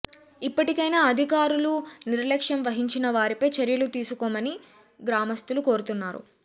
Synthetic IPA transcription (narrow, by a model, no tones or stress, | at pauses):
ipːɐʈikɐjnaːɐd̪ʱikaːɾuluniɾlɐkʂjɐmʋɐɦiɲt͡ʃinɐʋaːɾipɐjt͡ʃɐɾjɐlut̪iːsukɔːmɐni | ɡɾaːmɐst̪uluko̞ːɾut̪unːaːɾṵ